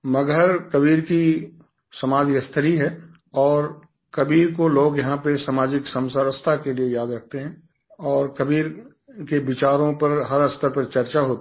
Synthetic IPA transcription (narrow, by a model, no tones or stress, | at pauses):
mɐɡʱəɾkɐbiːɾki | sɐmaːd͡ʒɪkɐst̪ʰəliɦɛː | ɔːɾ | kɐbiːɾkoloːɡjɐɦãpesamaːd͡ʒɪksə̃msəɾəst̪ʰakeliejaːd̪ɾɐk̚ʰt̪eɦɛ̃ː | ɔːɾkɐbiːɾ | kebɪt͡ʃaːɾõpɐɾɦɐɾəst̪ʰəɾpɐɾt͡ʃɐɾt͡ʃaɦoːt̪